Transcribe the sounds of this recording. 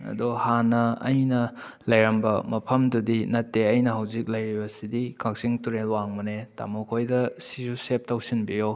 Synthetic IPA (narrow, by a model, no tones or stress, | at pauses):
ɐ̰duhanɐɐ̰jnɐ | lɐjɾɐmbɐmɐpʰɐmdudinɐtːeɐjnɐɦɐwzik̚lɐjɾibɐsidikʰak̚siŋtuɾelwaŋmuneta̰mokʰojdɐsisusep̚tawsinbijo